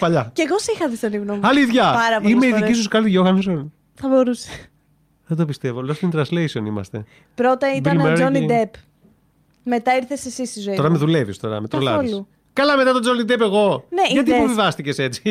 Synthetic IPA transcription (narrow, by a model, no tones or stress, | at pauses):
pɐʎɐceɣosixɐðist̪oniɣnomɐliðʝɐpɐɾɐpimeiðicis̬uskɐlt̪iʝoxɐnson | θɐbo̞ɾuse̥ | ðed̪opist̪e̞volost̪int̪ɾɐ̃nslejsionḭmɐ̰st̪e̞̰ | pɾo̞t̪ɐit̪ilnmeɾonid̪ep | me̞t̪ɐiɾθesesist̪izoit̪oɾɐmeðule̞vist̪o̞ɾɐ̰met̪ɾolɐilu | kɐlɐme̞t̪ɐt̪od͡zonid̪epe̞ɣo̞neʝɐt̪ipuvivɐst̪ice̞se̞t͡si̥